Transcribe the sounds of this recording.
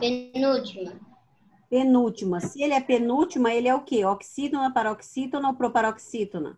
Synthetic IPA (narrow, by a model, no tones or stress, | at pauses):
penut͡ʃimɐ | penut͡ʃimɐsɪelɪɛpenut͡ʃimɐelɛukeoksit̪onɐpaɾɐoksit̪onɐopɾopaɾoksit̪onɐ̰